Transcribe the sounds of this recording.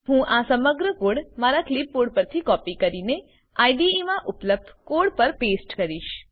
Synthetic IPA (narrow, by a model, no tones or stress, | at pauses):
hũʔasəməɡɾəkoɽmaɾaklipːoɽpəɾt̪ʰikɔpikəɾine | aiɖiemãʔʊpləb̚d̪ʱkoɽpəɾpesʈkəɾiʃ